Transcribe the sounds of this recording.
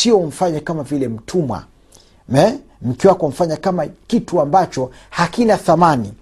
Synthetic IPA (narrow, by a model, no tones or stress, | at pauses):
iɔm̩faɲakamavilɛm̩tʰumwa̰ | mɛ | m̩kiwakɔm̩faɲakamakituambat͡ʃɔhakinaθamani